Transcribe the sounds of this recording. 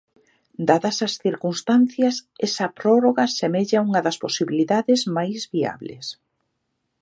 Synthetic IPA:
d̪aðɐsɐsθiɾkunst̪anθjɐsɛsɐpɾɔroɣasemeʎauŋɐðɐsposiβiliðaðɪzmajzβia̰βlḛs

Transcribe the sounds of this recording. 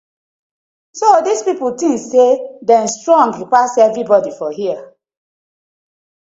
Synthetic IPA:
sodispipultĩŋsedɛ̃nstɹɔ̃ŋɡjupasɛvɹibɔdifɔɦia

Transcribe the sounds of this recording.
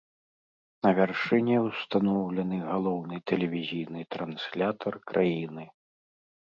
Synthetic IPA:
nɐvʲarʂɨnʲɛwst̪anɔwlʲɛnɨɣalˠɔwnɨt̪ɛlʲɛvʲizʲijnɨt̪ɾansʲlʲat̪ʰɐrkɾʔajinɨ

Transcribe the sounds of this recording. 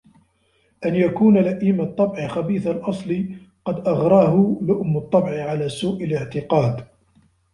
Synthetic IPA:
ʔanjakuːnalaʔiːmɑt̪ˤːɑbʕɪxabiːθalʔɑsˤlɨ | qɑd̪ʔɑɣɾˤɑːhʊlʊʔʊmːʊt̪ˤːɑbʕɪʕalaːsuːʔalɪʕt̪ɪqɑːd̪

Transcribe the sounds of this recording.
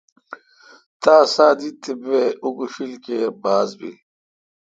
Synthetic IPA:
t̪aːsaːd̪it̪ibeukuɕilkebaːzbḭ

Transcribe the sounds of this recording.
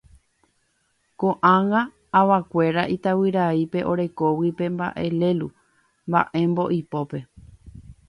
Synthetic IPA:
kõʔãŋãː | ʋakʷe̞ɾaʔit̪awiɾaipe̞ʔo̞ɾe̞kowipe̞mba̰ʔe̞le̞lu | mba̰ʔẽ̞mbo̞ʔipo̞pe̞

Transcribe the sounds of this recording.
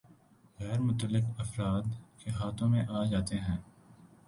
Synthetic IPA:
ɣɛːɾmʊt̪əlːɪkɐfɾaːd̪keɦaːt̪ʰõmẽʔaːd͡ʒaːt̪eɦɛ̃ː

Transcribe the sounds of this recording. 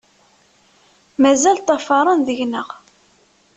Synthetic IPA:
mæzælt̪ˤːɑfɑɾˤɑnðəʝnəʁ

